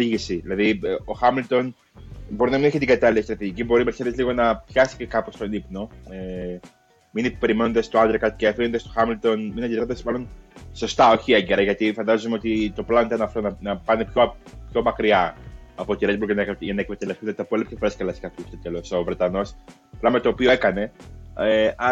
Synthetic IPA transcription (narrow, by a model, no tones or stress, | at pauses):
iʝisiðilɐðio̞xɐmilt̪o̞n | bo̞ɾinɐmineçet̪iɡɐt̪ɐliɐst̪ɾɐt̪iʝicibo̞ɾimeɾçɐðezliɣo̞nɐpçɐsi̥cekɐpo̞st̪o̞nipno̞e | minipe̞ɾimenond̪ɐst̪oɐnd̪ɾɐkɐt̪i̥ceɐfinond̪ɐst̪o̞xɐmilt̪o̞nminɐnd̪iðnd̪ɐsmɐlo̞nso̞st̪ɐo̞çieɲɟe̞ɾɐʝɐt̪ifɐnd̪ɐzumeot̪it̪o̞plɐonit̪ɐnɐft̪onɐnɐpɐnepçopço̞mɐkɾiɐɐpo̞t̪iɾed̪buɾʝɐnɐkʝɐnɐekmet̪elefθunɐt̪ɐpoɐlipçesfɾeskɐlɐskɐtust̪et̪elo̞sovɾe̞t̪ɐno̞s | plɐmet̪oːpio̞ekɐne̞eɐ